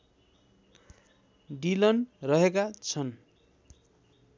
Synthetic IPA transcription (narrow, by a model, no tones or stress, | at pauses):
ɖilʌnrʌɦekat͡sʰʌn